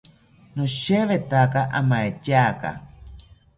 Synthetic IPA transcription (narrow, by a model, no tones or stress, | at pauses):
noʃeβet̪akaʔamaet͡ʃaka̰